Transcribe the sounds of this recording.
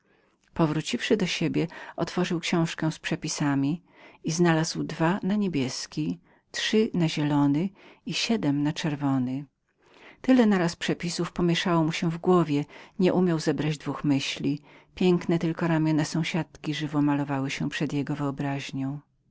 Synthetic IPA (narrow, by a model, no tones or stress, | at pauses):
pɔvɾut͡ɕifʂɘd̪ɔɕebʲjɛɔt̪fɔʐɘwkɕɔ̃w̃ʂkɛ̃w̃spʂɛpʲisamʲi | iznalazwd̪vanaɲebʲjɛskʲi | tʂɘnaʑɛlɔnɘiɕɛd̪ɛmnat͡ʂɛɾvɔnɘ | t̪ɘlɛnaɾaspʂɛpʲisufpɔmʲjɛʂawɔmuɕɛvɡwɔvʲjɛɲɛʔumʲjawzɛbɾad͡ʑd̪vuxmɘɕlʲi | pʲjɛŋknɛt̪ɘlkɔɾamʲjɔnɛsɔ̃w̃ɕat̪kʲiʐɘvɔmalɔvawɘɕɛpʂɛd̪jɛɡɔvɘɔbɾaʑɲɔ̃w̃